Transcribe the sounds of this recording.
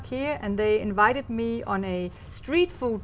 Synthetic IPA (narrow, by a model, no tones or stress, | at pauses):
khiɹæ̃nðeɪɪ̃nvaɪɾɨd̚miə̃ne | stɹiːtfud̚